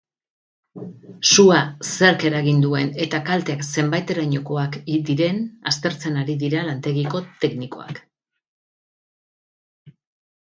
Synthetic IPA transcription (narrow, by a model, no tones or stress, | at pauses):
suase̞ɾke̞ɾaɣind̪ue̞ne̞t̪akalt̪e̞akse̞mbajt̪e̞ɾaɲo̞ko̞akid̪iɾe̞na̰st̪e̞ɾt͡se̞naɾiðiɾalant̪e̞ɣiko̞t̪e̞kniko̞̰a̰k